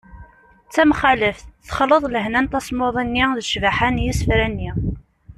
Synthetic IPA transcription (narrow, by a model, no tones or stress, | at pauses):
t͡sːæmχaləfθə̥χəlːəðˤləɦnænt̪æsˤmoðˤinːiðʃvaħanjisfɾænːi